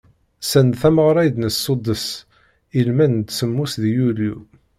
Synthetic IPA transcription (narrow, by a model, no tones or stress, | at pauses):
sænθæməʁɾˤɑjd̪nəsːod̪əs | ilmænd̪səmːusðjulju